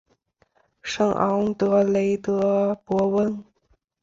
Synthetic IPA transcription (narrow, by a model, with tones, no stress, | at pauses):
ʂɤ˥˩ŋʔɑ̰˧˥ŋt̪ɤ˧˥le˧˥ɪt̪ɤ˧˥pwɔ˧˥wə˥˩n